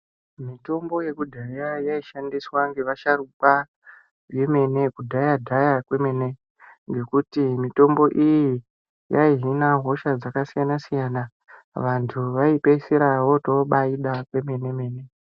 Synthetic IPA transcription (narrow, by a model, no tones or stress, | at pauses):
mito̞mbo̞je̞kudʱajajaiʃandiswaŋɡe̞ʋaʃaɾukwa | je̞me̞ne̞kudʱajadʱajakwe̞me̞ne̞ | ŋɡe̞kutimito̞mbo̞ʔiji | jaiɦinaɦo̞ʃad͡zakasijanasijana | ʋantʰuʋaipe̞seɾawo̞toɓaiɗakwe̞me̞ne̞me̞ːne̞